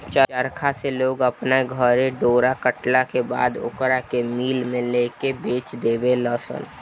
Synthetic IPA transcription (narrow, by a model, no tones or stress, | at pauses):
t͡ʃəəɾkʰaseloːɡəpnaɡʱəɾeɖoːɾakəʈlakeba̰ːd̪ʊ̰kɾakemiːlmẽleːkebeːt͡ʃd̪eːbeləːsə̰n